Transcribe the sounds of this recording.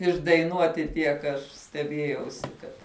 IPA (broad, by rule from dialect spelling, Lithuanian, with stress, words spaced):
ɪʒdɐɪˈnuɔtʲɪ tʲiɛk ɐʃ sʲtʲɛˈbʲiɛjɛʊsʲɪ kɐt